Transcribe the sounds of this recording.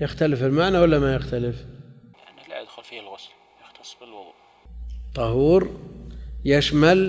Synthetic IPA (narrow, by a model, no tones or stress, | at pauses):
jɪxt̪alɪfɪlmaʕnawalːamajɪxt̪alɪfjaʕnilʕa̰d̪xʊlfiːhalɣʊsl | jɪxt̪ʰɑsˤːbɪlwɑðˤṵːʔ | t̪ˤːɑhuːɾ | jaʃmal